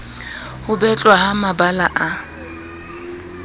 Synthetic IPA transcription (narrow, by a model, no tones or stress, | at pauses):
hʊbɛt͡ɬʼwahamabalaʔa